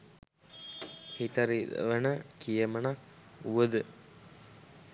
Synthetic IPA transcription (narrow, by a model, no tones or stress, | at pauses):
hit̪əɾidə̰ʋənəkijəmənakuʋəd̪ə